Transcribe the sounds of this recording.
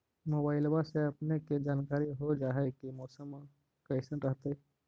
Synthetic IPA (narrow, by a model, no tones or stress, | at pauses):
moːbaːɪlbaseɐpneked͡ʒaːnkaːɾiɦod͡ʒaːɦekimɔːsəm | kəɪsənɾəɦt̪e